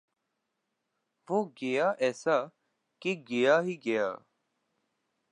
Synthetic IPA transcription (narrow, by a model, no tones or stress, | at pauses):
ʋoːɡejaːʔɛːsaː | keɡejaːɦiːɡeja̰ː